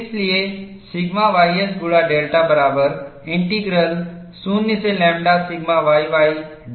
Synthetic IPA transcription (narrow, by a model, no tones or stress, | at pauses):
slie | siɡmaʋajəsɡuɭaɖelʈabəɾabəɾẽɳʈiɡɾəl | sunːit͡selɛ̃mɖasiɡmaʋajʋaj